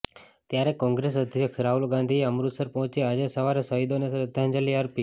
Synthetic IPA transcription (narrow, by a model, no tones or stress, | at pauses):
t̪jaɾekɔ̃ŋɡɾesəd̪ʱjəksɾaɦulɡãnd̪ʱiəmɾusəɾpɔɦt͡ʃead͡ʒesəʋaɾesəid̪onesɾəd̪ʱjãnd͡ʒəliəɾpi